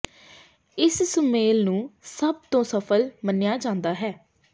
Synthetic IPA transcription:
ɪssəmeːlnũːsəb̚t̪õːsəpʰəlmənɪjaːd͡ʒãːnd̪aːɦɛː

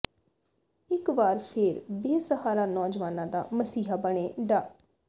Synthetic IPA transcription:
ɪkʋaːɾpʰɪɾbeːsəhaːɾaːnɔːd͡ʒʋaːnãːd̪a̰ːməsiːɦaːbəɳ̃eːɖaː

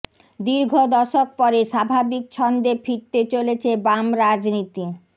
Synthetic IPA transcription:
d̪iɾɡʱod̪ɔʃok̚pɔɾeʃabʱabik̚t͡ɕʰɔnd̪efʰiɾt̪et͡ɕolet͡ɕʰebamɾad͡ʑnit̪i

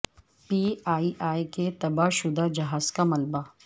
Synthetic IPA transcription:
piːaːiʔaːjket̪ɐbaʃʊd̪ad͡ʒɐɦaːzkamɐlba

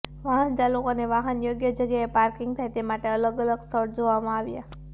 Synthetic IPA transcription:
ʋaɦənt͡ʃalukoneʋaɦənjoɡjəd͡ʒəɡjaepaɾkiŋɡt̪ʰajt̪emaʈeələɡələɡst̪ʰəɾd͡ʒoʋamãaʋja

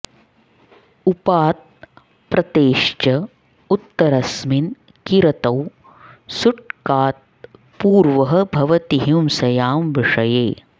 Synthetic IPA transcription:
upaːt̪̚ | pɾɐt̪eːʂt͡ʃɐ | ut̪ːɐɾɐsmin | kiɾɐt̪ɐw | suʈkaːt̪̚ | puːɾʋɐɦɐ̆bʱɐʋɐt̪iɦimsɐjaːmʋiʂɐjeː

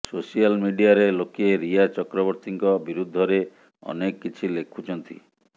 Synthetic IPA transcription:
sosialmiɖiaɾelokeɾiat͡ʃɔkɾɔbɔɾt̪iŋkɔbiɾud̪ʱːɔɾe | ɔ̰nekːit͡ʃʰilekʰut͡ʃʰɔnt̪ḭ

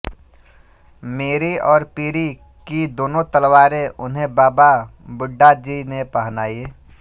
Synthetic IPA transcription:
meːɾiɔːɾpiːɾi | kid̪oːnõt̪əlwaːɾẽʔʊnɦẽbaːba | bʊɖːad͡ʒinepəɦnaːie

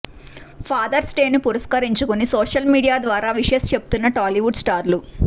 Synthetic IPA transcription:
pʰaːd̪ɐɾsʈeːnːupuɾɐskɐɾiɲt͡ʃukunisoːʂɐlmiːɽijaːd̪ʋaːɾaːʋiʂest͡ʃe̞bu̥t̪unːɐʈaːliʋuɖsʈaːɾlu

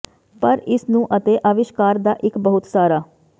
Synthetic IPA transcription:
pəɾɪsnũːʔət̪eːʔaːʋɪʃkaːɾd̪aːʔɪkbəɦʊt̪saːɾaː

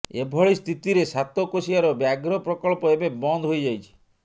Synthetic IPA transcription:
ebʱɔɭist̪ʰit̪iɾesat̪ɔkosiaɾɔbjaɡɾɔpɾɔkɔɭpɔebebɔnd̪ʱɦojd͡ʒajt͡ʃʰi̥

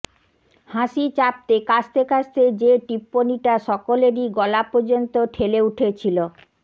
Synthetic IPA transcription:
haʃit͡ɕap̚t̪ekast̪ekast̪ed͡ʑeʈipːoniʈaʃɔkoleɾiɡɔlapoɾd͡ʑont̪oʈʰeleuʈʰet͡ɕʰilo

